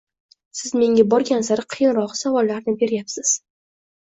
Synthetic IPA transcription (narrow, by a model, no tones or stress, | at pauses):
sɪzme̞ŋʲabɒɾɡʲansaɾɪqʰɨjɪnɾɒqsavɒlːaɾnɪbe̞ɾjapsɪz̥